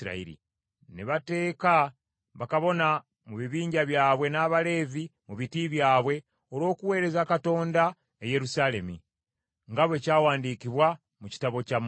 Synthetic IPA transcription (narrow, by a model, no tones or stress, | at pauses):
ɾa̰ḭɾḭ | neβate̞ːka | βakaβo̞na | muβiβiːɲɟaβjaːβwe̞naːβale̞ːvimuβitiβjaːβwe̞ | o̞ɾo̞ːkuwe̞ːɾe̞zakato̞ːnda | eje̞ɾusaːle̞mḭ | ŋɡaβwe̞ːcaːwaːndikiβwa | muci̥taβo̞cam